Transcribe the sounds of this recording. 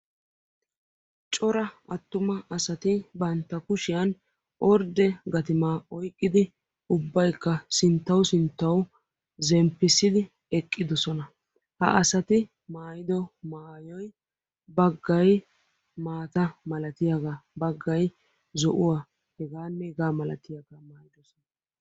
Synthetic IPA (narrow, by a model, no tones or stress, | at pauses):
t͡ʃʼɔɾɐɐt̪ːʊmɐʔɐsɐt̪ɪbɐnt̪ːɐkʊʃɪjɐn | ʔɔɾd̪ɛɡɐt̪ɪmaːɔjkʼːɪd̪ɪ | ʊbːɐjkːɐsɪnt̪ːɐwsɪnt̪ːɐw | zɛmpːɪsːɪd̪ɪ | ɛkʼːɪd̪ɔsɔnɐ | hɐ̰ʔɐsɐt̪ɪ | maːjɪd̪ɔmaːjɔj | bɐɡːɐj | maːt̪ɐmɐlɐt̪ɪjaɡabɐɡːɐj | zɔʔʊwa | hɛɡaːnːɛɡaːmɐlɐ̰t̪ɪjaɡamaːjɪd̪ɔsɔnɐɐ